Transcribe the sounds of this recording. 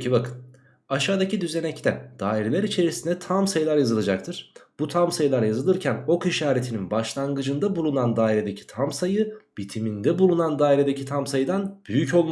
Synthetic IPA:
ibakɯn | aʃaːd̪acid̪yze̞nɛct̪ʰɛd̪̥aːiɾelʲæɾit͡ʃʰe̞ɾisind̪ɛt̪ʰamsajɯlˠaɾjazɯlˠad͡ʒak̚t̪ʰɯɾ̥b̥ut̪ʰamsajɯlˠaɾjazɯlˠɯɾcʰæno̞kiʃaːɾet̪ʰininbaʃlˠaŋɡɯd͡ʒɯnd̪abulˠunand̪aːiɾed̪e̞cʰi̥t̪ʰamsajɯb̥it̪ʰimind̪ɛbulˠunand̪aːiɾed̪ecʰit̪ʰamsajɯd̪anb̥yjyco̞lˠma

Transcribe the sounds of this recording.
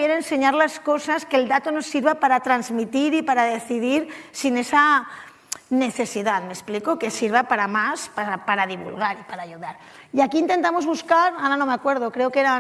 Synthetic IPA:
jeɾeːnse̞ɲaɾlasko̞saske̞ːld̪at̪ono̞sːiɾβapaɾat̪ɾanzmit̪iɾipaɾaðe̞θiðiɾsine̞sa | ne̞θe̞siðaðme̞splikokesiɾβapaɾamaspaapaɾaðiβṵlɣaɾipaɾaːʎuðaɾ | iakiːnt̪e̞nt̪amo̞zβuskaɾanano̞meakwe̞ɾðokɾe̞okeɾa

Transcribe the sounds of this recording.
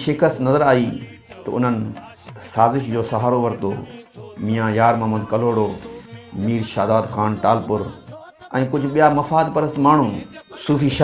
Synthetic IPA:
ʃɪkʰəst̪nɐzəɾaːiːt̪ɐʊ̰n̤ənɪ̆ | saːzɪʃd͡ʑoːsɐɦaːɾoʋɐɾt̪o̰ːmĩːjãːjaːɾmãːmɐ̃nd̪kɐloːɽoːmiːɾʃaːd̪aːd̪xaːnʈaːlpʊɾ | ɛ̰̃ːkʊd͡ʑʱʊɓijamɐfaːd̪pɐɾəst̪maːɳ̤ũsuːfiːʃ

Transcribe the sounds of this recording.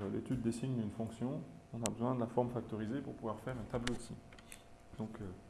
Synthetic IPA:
lḛt̪yd̪ːesiɲd̪ynfɔ̃ksjɔ̃ | ɔ̃nabəzwɛ̃d̪əlafɔʁmfak̚t̪ɔʁizepuʁpuvwaʁfɛʁɛ̃t̪ablosi | d̪ɔ̃kø

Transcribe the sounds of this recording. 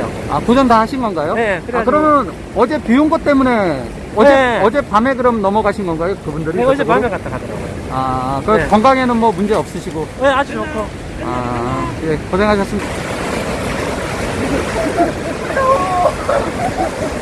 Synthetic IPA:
o̰a̰kud͡ʑʌntahaɕʰinɡʌnɡajoeɯakɯɾʌmjʌnɯn | ʌd͡ʑe̞piunɡʌt̚t͈e̞mune̞ | ʌeʌd͡ʑe̞pame̞ɡɯɾʌmnʌmʌɡaɕʰinɡʌnɡajokɯbundɯɾiʌd͡ʑeamekat͈akadɯɾa̰ɡo̰oakɯkʌŋɡaŋe̞nɯnmwʌmund͡ʑe̞ʌp̚s͈ɯɕʰiɡojead͡ʑuokʰo | a̰ | ekʌsʰeŋɦaɕʰʌs͈ɯmi

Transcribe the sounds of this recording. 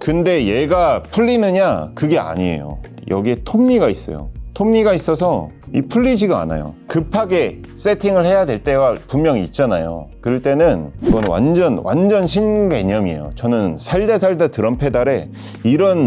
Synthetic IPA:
kɯnde̞je̞ɡapʰuʎːinɯɲakɯɡe̞a̰ɲiḛjo̰jʌɡie̞tʰoŋɲiɡais͈ʌ̰jo̰tʰoŋɲiɡais͈ʌsʰʌipʰuɭːid͡ʑiɡɯa̰na̰jo̰kɯpʰaɡe̞ | s͈e̞tʰiŋɯɭhe̞jadwe̞ɭt͈e̞ɡapummjʌŋiːt̚t͡ɕ͈anajo̰kɯɭt͈e̞nɯniɡʌnwa̰nd͡ʑʌnwa̰nd͡ʑʌnɕʰinɡe̞ɲʌmiḛjo̰t͡ɕʌnɯnsʰaɭdesʰaɭdatɯɾʌmpʰe̞daɾe̞ | iɾʌn

